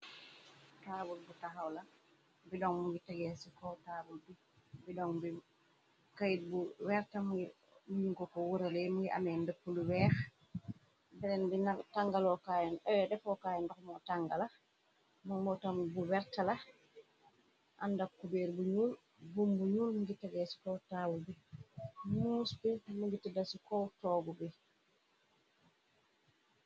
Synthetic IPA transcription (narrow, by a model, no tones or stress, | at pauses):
taːbulbutaxawlɐ | bidɔŋmuɡitaɡɛsikɔtaːbulbi | bidɔŋbi | kajit̚buwɛɾtamuɡi | mujuŋkɔkɔwuɾalɛmuŋɡiʔa̰mɛndakːuluwɛːx | biɾɛnbinataŋɡalɔkaːjɛnɛwɛdɛfɔkaːjɛndɔkmɔtaŋɡala | muŋmɔtambuwɛɾtala | ʔandakːubɛːɾbuɲuːl | bumbuɲuːlmuɡitaɡɛsi̥kɔtaːwubi | nuːsbimuɡitadasikɔtɔːɡubi